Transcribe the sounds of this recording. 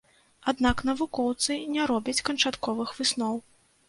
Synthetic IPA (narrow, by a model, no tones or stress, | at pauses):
ad̪naknɐvukɔwt̪sɨnʲɛɾɔbʲɐt͡sʲkɐnt͡ʂat̪kɔvɨxvɨsnɔw